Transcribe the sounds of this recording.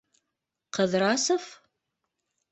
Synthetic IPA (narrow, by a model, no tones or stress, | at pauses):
qəðraːsɐf